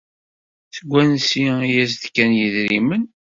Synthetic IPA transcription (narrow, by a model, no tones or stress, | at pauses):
θəɡʷːænsiijæzðkːænjəðɾimən